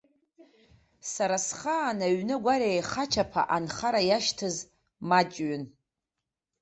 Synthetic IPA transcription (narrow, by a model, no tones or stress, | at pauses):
saɾasχaːnaɥnɨɡʷaɾejχat͡ʃʰapʰa̰ʔanχaɾajaʃtʰɨz | mat͡ʃʼɥʏn